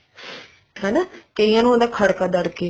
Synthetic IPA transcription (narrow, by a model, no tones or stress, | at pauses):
ɦɛːnaːkeijãːnũond̪aːkʰəɽkaːd̪əɽkeː